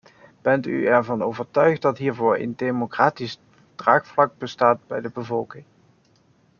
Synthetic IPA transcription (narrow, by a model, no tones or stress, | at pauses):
b̥ɛnty̰ɛɹvɑnowvəɹtœɥχt̚dɑtɦiːɹvʊːɹə̰ndejmokraːtis | d̥raːkflɑk̚bəstaːt̚bɛjdəbəvɔlˠkɪŋ